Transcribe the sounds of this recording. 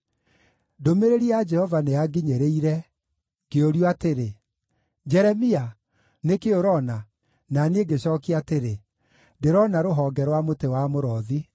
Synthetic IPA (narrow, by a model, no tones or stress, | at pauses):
domeɾeɾiɛad͡ʒɛhɔvaneaɡiɲeɾeiɾɛ | ɡ̥eoɾjoateɾe | d͡ʒɛɾɛmia | nekeoɾɔna | naneɡeɕɔːkiateɾe | deɾɔnaɾoɦɔːɡɛɾwamotewamoɾɔːði